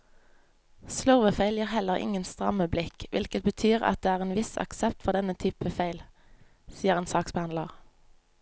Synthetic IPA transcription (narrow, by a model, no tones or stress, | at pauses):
slœʁʋəfeɪljiʁhɛləʁɪ̰ŋənst̪ʁɑ̰məblɪkʋʔɪ̰lkət̪̚bət̪ʰyːʁɑ̰t̪̚d̪eːæːʁeːnʋɪsɑ̰ksɛpt̪fɔʁd̪ɛnət̪ʰyːpəfeɪl | siːəʁeːnsɑːksbæɑnlɑʁ